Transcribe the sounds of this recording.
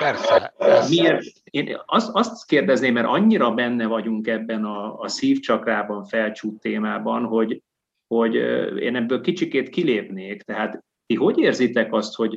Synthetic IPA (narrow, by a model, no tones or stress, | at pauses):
pɛrsɛmieːrt̪ | eːnɒst̪ɒst̪keːrd̪ɛzneːmːɛɾʔɒɲːiɾɒbɛnːɛvɒɟuŋkɛbːɛnɒːsiːft͡ʃɒkraːbɒɱfɛlt͡ʃuːt̪ːeːmaːbɒnɦo̞ɟ | ho̞ɟḛːnɛbːøːlkit͡ʃikeːt̪kileːpneːkt̪ɛɦaːt̪ː | iɦo̞ɟeːrzit̪ɛkɒst̪ho̞ɟ